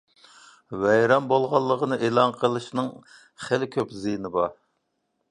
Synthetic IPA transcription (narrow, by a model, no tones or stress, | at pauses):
wɛjɾɛmbolˠʁɑlˠːəʁənɨʔelˠɑnqʰəlˠɨʃnɨŋ | χelɪkʲʰøpzijnɨbɑ